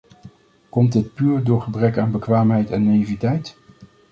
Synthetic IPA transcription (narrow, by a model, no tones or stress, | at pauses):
kɔmtdɪt̚pyːɹdʊːɹχəbrɛkaːnbəkʋaːmɦɛjtɛnːaivitɛjt